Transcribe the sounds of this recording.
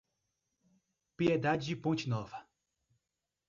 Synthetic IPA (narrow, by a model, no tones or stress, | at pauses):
pied̪ad͡ʒɪd͡ʒɪpõnt͡ʃɪnɔvɐ